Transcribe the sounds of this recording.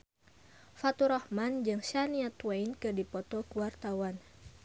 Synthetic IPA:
fat̪uɾɔhmand͡ʒɨŋʃaniat̪wajnkɨrdipɔt̪ɔkuwart̪awan

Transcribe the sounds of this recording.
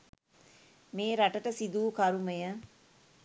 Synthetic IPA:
meːɾaʈəʈəsid̪uːkaɾuməjə

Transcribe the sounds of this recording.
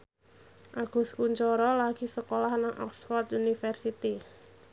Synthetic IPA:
ʔaɡ̥ṳskuɲt͡ʃɔɾɔlaɡ̥isəkolahnaŋʔɔ̰ksfɔrt̪unifərsit̪i

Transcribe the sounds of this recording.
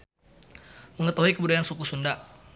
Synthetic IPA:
məŋət̪aɦuikəbudakansukusunda

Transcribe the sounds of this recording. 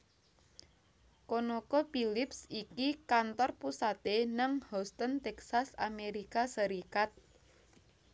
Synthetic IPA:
konokɔpilɪpsikikant̪ɔrpusat̪enəŋhɔst̪ənt̪ɛksasameɾikasəɾikat̪̚

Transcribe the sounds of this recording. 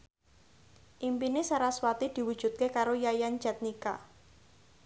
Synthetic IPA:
ʔimpinesaɾaswat̪id̪̥i̤wu̥ʒ̥ṳt̪̚kekaɾojajan̥d͡ʒ̥a̤t̪̚nika̰

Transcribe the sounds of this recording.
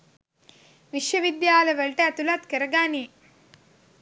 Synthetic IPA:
ʋiʃjɐʋid̪jaːlɐʋeɭʈeːt̪ulɐt̪kəɾɐɡaːni

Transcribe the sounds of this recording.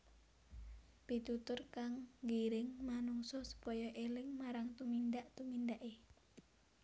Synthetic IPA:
pit̪ut̪ʊrkaŋɡiɾɪŋmanuŋsɔsu̥pɔjɔʔelɪŋmaɾaŋt̪umindaʔt̪umindaʔe

